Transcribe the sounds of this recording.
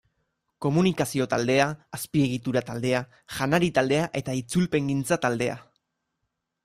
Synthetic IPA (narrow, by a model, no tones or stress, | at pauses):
ko̞munikasio̞t̪ald̪e̞aːspie̞ɣ̞it̪uɾat̪ald̪e̞a | ʝanaɾit̪ald̪e̞aʔe̞t̪ait͡sulpe̞ŋɡint͡sat̪ald̪e̞a̰